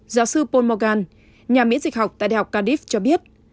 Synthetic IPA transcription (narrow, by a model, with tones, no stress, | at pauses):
zaː˨˦wsɨ˧po˧nmɔ˧ɣaː˧n | ɲaː˨˩mḭ˧˥ənzï˨˩k̟̚ɦa˨˩wk͡p̚t̪a̰ː˧˨ɗa̰ː˧˨˩hk͡p̚kaː˧ɗi˦˥ft͡ɕɔ˧ɓi˦˥ət̚